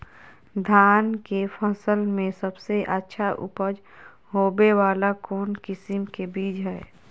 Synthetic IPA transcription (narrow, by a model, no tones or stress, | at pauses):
d̪ʱaːnkefʰəsəlmẽsəbseʔətːʃʰaʔʊ̰pəd͡ʒ | ɦoːbeʋaːlakoːnkɪsɪmkebiːd͡ʒɦɛː